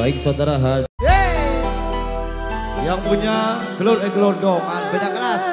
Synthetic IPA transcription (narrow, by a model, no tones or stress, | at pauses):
aɪk̚sawd̪aɾaɦaja | jaŋpuɲa | ɡəloɾɛɡlor̚ɡɔmanbaɲaʔkːəɾas